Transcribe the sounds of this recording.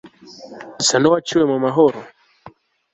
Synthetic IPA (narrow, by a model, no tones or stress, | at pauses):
sanɔwat͡ʃuwɛmwamaɦɔɾɔ